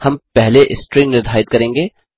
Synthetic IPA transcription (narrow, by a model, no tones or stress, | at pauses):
hɐmpɛɦleʔɪsʈɾɪknɪɾd̪ʱaːɪt̪̚kɐɾẽːŋɡeː